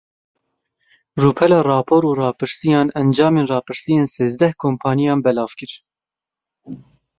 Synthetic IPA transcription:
ruːpʰɛlɑːrɑːpʰoːɾuːrɑːpʰɨɾsijɑːnɛnd͡ʒɑːmeːnrɑːpʰɨɾsijeːnseːzd̪ɛhkʰoːmpʰɑːnijɑːnbɛlɑːvkɨɾ

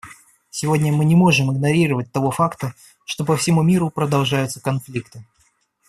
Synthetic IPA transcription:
sʲɪvo̞dʲnʲəmɨnʲɪmo̞ʐɨmɨɡnɐɾʲiɾəvət̚ʲt̪ɐvo̞fakt̪ə | ʂt̪o̞pəfsʲɪmumʲiɾʊpɾəd̪ɐlˠʐajʊt̪səkɐnflʲikt̪ɨ

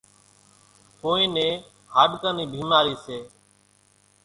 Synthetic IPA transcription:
koːĩːnẽː | haːɗkãːniːbʱiːmaːɾiːseː

